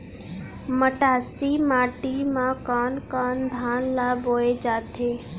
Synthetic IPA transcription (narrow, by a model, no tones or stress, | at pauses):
məʈaːsimaːʈimãkaːnkaːnd̪ʱaːnlaːboːed͡ʒaːt̪eː